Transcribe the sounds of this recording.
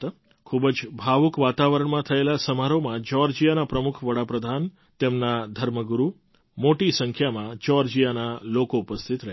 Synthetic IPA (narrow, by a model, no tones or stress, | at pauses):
kʰubd͡ʒbʱaʋukʋat̪aʋəɾəɳmãt̪ʰəelasəmaɾomãd͡ʒɔɾd͡ʒijanapɾəmukʰʋəɽapɾəd̪ʱan | t̪emnad̪ʱəɾməɡuɾu | moʈisəŋkʰjamãt͡ʃɔɾd͡ʒijanalokoupəst̪ʰit̪ɾəɦ